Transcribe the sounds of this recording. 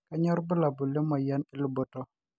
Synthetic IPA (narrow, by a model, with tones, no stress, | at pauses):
ka˦ɲɔ˦ɾbə˦la˨bʊ˨le˦mɔ˨ja˦nɪ˦lʊ˦bo˨to˦